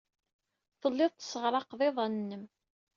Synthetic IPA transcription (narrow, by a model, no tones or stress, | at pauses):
θəlːɪðˤt̪sːəʁɾˤɑqðˤeðˤɑnnːəm